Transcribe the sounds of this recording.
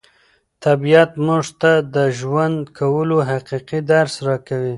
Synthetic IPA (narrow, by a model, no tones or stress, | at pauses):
t̪abijat̪muʐt̪ad̪əʒwand̪kʰawəloɦaqiqid̪aɾsɾɑkawi